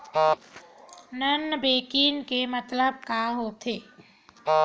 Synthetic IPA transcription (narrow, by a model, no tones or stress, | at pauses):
nənːbeːkiːnkemət̪ləb̚kaːɦoːt̪ʰeː